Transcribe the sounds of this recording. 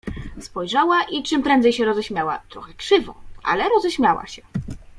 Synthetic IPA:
spɔjʐawaʔit͡ʂɘmpɾɛnd̪zɛjɕɛɾɔzɛɕmʲjawa̰t̪ɾɔxɛkʂɘvɔ̰̃ʔa̰lɛɾɔzɛɕmʲjawa̰ɕɛ

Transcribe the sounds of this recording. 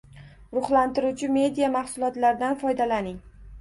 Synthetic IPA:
ɾʊχlant̪ɪɾuwt͡ʃʰɪme̞d̪ijamaχsʊlˠɒt̪laɾɪd̪anfɒjd̪alanɪŋ

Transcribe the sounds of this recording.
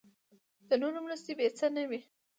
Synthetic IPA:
d̪̥ənoɾomɾəst̪ebet͡sənəwi

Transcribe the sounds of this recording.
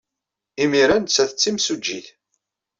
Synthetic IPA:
imiɾænt͡sːæθət͡sːimsud͡ʒːiθ

